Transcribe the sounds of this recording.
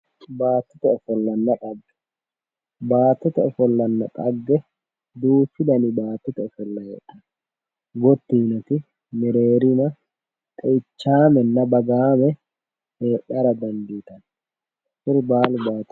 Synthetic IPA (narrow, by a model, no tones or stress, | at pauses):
baːt̪ːɪt̪ɛɛfɔlːɐnːɐkʼɐɡːɛ̥ | baːt̪ːɪt̪ɛɛfɔlːɐnːɐk̪ʼɐɡːɛ | d̪uːfɪd̪ɐnɪbaːt̪ːɪt̪ɛɛfɔlːɐjḛːᶑɐn | ɡɔt̪ːiːnɐt̪ɪ | mɛɾeːɾɪnɐ | t̪ʼɛɪt͡ʃːaːmɛnːɐbɐɡaːmɛ | heːᶑɐɾɐd̪ɐnd̪iːt̪ɐn | fɪɾbaːlbaːt̪ː